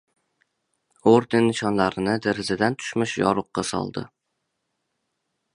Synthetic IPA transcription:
oɾd̪enːɪʃɒnlaɾɪnɪd̪eɾɪzɪd̪ant̪ʰʊ̥ʃmɪʃjɒ̰ɾʊqːɑsɒ̰lˠd̪ɪ̰

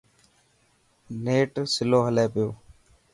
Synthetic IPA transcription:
neːʈsɪloːɦəleːpɪjoː

